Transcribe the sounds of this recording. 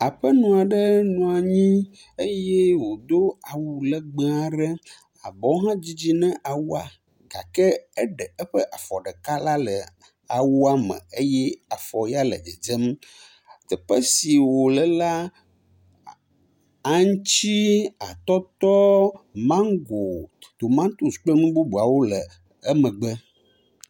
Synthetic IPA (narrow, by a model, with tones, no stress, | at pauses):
a˨ɸə˦nũ˨a˨ɖɛ˦nũ˨a˨ɲĩ˦ | e˦jɛ˦wo˨d̪o˦a˨wu˨lə˨ɡ͡be˦a˨ɖɛ˦ | a̰˨bɔ˨˦ɦã˦d͡ʑi˦d͡ʑi˦nɛ̃˦ʔa˨wu˦a˨ | ɡa̰˨kɛ˦ɛ˦ɖɛ˨ɛ˦ɸə˦ʔa˨fɔ˨ɖɛ˨ka˦la˦lə˨ | a˨wu˦a˦mɛ̰̃˨e˦jɛ˦a˨fɔ˨ja˦lə̰˨e˨d͡ʒɛ˦m | t̪ɛ˨ɸə˦si˨wo˨lə˨la˦ | a˦ŋ˦t͡ɕi˦a̰˨t̪ɔ˦t̪ɔ˦mã˦ŋ˦ɡo˨t̪o˨mã˦n˦t̪u˨sk͡plə˦nũ˦bu˦bu˨a˨wo˦lə˨ | ə˦mə̃˨ɡ͡bɛ˦